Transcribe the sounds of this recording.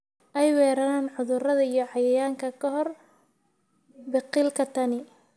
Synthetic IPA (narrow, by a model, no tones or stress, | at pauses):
ʔɛjwɛːɾɐnaːnʕʊðʊrɐðɐijɞħɑjɐjaːŋkʰɐkʰɐɦɔr | bɪqilkʰɐt̪ʰɐnɪ